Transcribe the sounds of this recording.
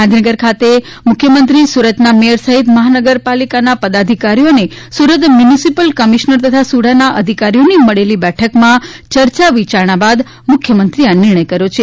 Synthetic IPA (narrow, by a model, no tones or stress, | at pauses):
ãnd̪ʱinəɡəɾkʰat̪e | mʊkʰjəmənt̪ɾisuɾət̪namejəɾsəɦit̪məɦanəɡəɾpalikanapəd̪ad̪ʱikaɾijonesuɾət̪mjunisipəlkəmiʃnəɾt̪ət̪ʰasuɽ̤anaʔəd̪ʱikaɾijoniməɭelibɛʈʰəkmãt͡ʃəɾt͡ʃaʋit͡ʃaɾɳ̃abad̪ | mʊkʰjəmənt̪ɾianɪɾɳ̃əjkəɾjot͡ʃʰe